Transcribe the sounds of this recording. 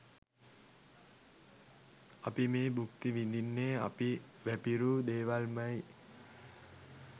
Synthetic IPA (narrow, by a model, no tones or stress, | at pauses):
apimeːbukt̪iʋind̪inːea̰piʋæpiɾuːd̪eːʋalmaj